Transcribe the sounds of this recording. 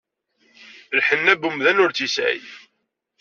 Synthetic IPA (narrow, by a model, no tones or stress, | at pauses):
lħənːæbumðænʊɾt͡sisʕə̰j